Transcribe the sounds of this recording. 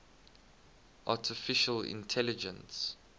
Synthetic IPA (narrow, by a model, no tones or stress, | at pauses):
ʔatʰɪfɪʃəlɪ̰̃ntʰɛlɪd͡ʒə̰̃ns